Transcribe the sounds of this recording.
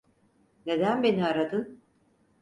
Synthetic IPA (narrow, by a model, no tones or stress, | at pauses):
ne̞d̪ænbe̞niaɾad̪ɯn